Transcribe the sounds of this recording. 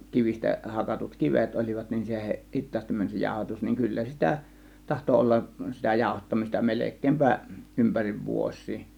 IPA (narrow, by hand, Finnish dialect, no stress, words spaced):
kiʋistæ hɑkɑtut kiʋet olʲiʋɑt nin se hitˑɑːstim mænʲ se jɑˑo̝hɑtus niŋ kylːæ sitæ tɑhto olːɑʔ sitæ jɑˑo̝hɑtːɑmistɑ melekˑeːmpæ ympæriʋ ʋuos̆ʲsiː